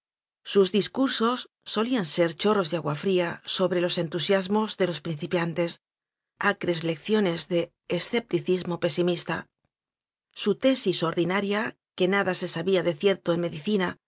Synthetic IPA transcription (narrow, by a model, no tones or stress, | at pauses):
suzðiskuɾso̞sː | o̞lianse̞ɾt͡ʃo̞ro̞zðeaɣwafɾiaso̞βɾe̞lo̞se̞nt̪usjazmo̞zðe̞lo̞spɾin̟θipjant̪e̞s | akɾe̞zle̞kθjo̞ne̞zðe̞ː | sθe̞p̚t̪iθizmo̞pe̞simist̪a̰ | sut̪e̞siso̞ɾðinaɾja | ke̞naðase̞saβiaðe̞θje̞ɾt̪oenme̞ðiθina